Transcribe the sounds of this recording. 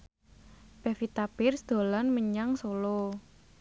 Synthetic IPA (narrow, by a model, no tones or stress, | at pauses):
pɛfit̪apɪrsd̪̥o̤lanməɲaŋsolo